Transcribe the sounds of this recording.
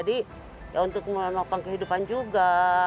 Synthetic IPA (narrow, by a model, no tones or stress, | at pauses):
adi | jaunt̪ʊk̚mənokaŋkəɦidupand͡ʒuɡa